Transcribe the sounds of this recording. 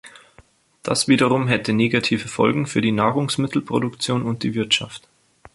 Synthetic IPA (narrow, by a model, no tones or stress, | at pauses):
d̥asv̥iːdəʁʊmɦɛtəneːɡatʰiːvəfɔ̰lɡŋ̩fyːɐdiːnaːʁʊŋsmɪtʰl̩pʁ̥o̰dʊkt͡sjoːnʊnt̚d̥iːvɪɐtʃa̰ft